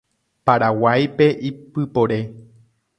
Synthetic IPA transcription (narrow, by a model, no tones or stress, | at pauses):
paɾawajpe̞ʔipɨpo̞ɾe̞